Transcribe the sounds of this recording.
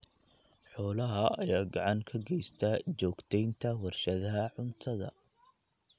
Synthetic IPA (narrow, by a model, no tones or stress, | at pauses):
ħɔːlɐɦɐɐjaːɡɑʕɑŋkʰɐɡɛjst̪ʰɐt͡ʃɔːɡt̪ʰɛjnt̪ʰɐwɐrʃɐðɐɦɐʕʊnt̪ʰɐðɐ̰